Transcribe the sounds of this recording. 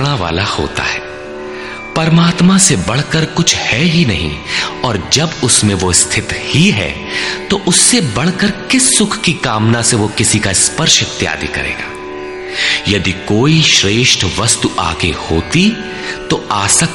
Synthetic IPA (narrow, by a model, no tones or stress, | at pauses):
ɽ̃aʋa̰ːlaho̰ːt̪a̰ɦɛː | pɐɾmaːt̪masebɐɽ̤kəɾkʊt͡ʃʰhɛɦinɐɦḭ̃ɔːɾd͡ʒɐbʊsmẽʋost̪ʰɪt̪hiɦɛ̰ː | t̪oʔʊsːebɐɽ̤kəɾkɪsːʊkʰkikaːmnaseʋokɪsikaɪspɐɾʃɐt̪ːja̰ːd̪ikɐ̰ɾḛːɡa̰ː | jɐd̪ikoːiʃɾeːʃʈʰʋɐst̪uʔa̰ːɡehoːt̪i | t̪oaːsək